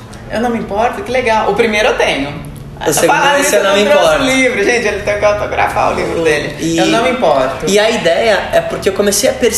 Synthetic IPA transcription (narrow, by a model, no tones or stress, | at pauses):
ewnɐ̃w̃mĩpɔɾt̪ʊkɪleɡawʊpɾimejɾʊewt̪ẽɲʊ | osefaaesewnɐ̃w̃m̃ĩpɔɾʊlivɾʊʒẽt͡ʃɪelɪt̪ẽjʊkɪawt̪oɡɾa̰fa̰ʊ̰livɾʊd̪elɪɪewnɐ̃w̃mĩpɔɾt̪ʊɪɐid̪ɛjɐɛpʊɾkeewkõmesejɐpeɾs